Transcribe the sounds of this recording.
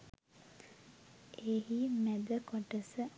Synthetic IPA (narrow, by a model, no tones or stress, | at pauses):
eːɦimæd̪əkoʈəsə